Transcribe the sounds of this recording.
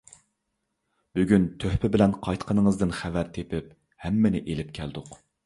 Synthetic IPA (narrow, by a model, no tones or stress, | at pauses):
b̥yɡʲynt̪ʰøhpɪbɪlɛnqʰɑjt̪qʰənɨŋəzd̪ɨnχævæɾt̪ʰepɪp | hɛmːɪnɪʔelɪp̚kʲʰæld̪ʊq